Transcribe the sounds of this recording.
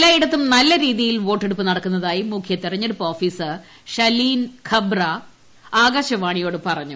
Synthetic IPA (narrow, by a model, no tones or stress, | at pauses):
lːaːjiɽɐt̪ːumnɐlːɐɾiːðijilʋo̞ːʈːeɽupːɨnɐɽɐkːunːɐðaːjimukʰjɐt̪ːirɐɲːeɽupːo̞ːfiːsɨ | ɕɐliːnkʰɐbrɐ | aːɡɐɕɐʋaːɳijo̞ːɽɨpɐrɐɲːu